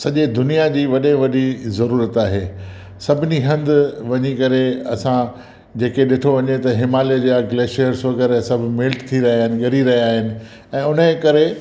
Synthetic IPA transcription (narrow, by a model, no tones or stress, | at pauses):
sɐʄed̪ʊnijad͡ʑiːʋɐɗeʋɐɗizɐɾuːɾət̪aːɦeː | sɐbʱɪniɦɐ̃nd̪ʋɐɲikɐɾeɐsã | d͡ʑeːkeɗɪʈʰoʋɐɲet̪ɐɦɪmaːlijəd͡ʑaɡleːʃəɾsʋɐɣəɾesɐbʱɪ̆mɪlʈt̪ʰiɾɐɦijaːɦɪnɪ̆ɡɐɾiɾɐɦijaːɦɪnɪ̆ | ɛ̃ːʊnəkɐɾe